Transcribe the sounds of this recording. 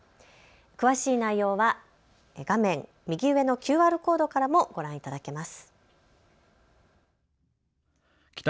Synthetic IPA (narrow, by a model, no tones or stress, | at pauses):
kɯ̟βaɕiːnaijo̞ːβa | ɡ̥amẽ̞ŋ | mʲiɡʲiɯ̟βe̞no̞kʲɨːaːɾɯ̟ko̞ːd̪o̞kaɾamo̞ɡ̥o̞ɾãɰ̃it̪ad̪ake̞masɨ̥ | k̪ʲ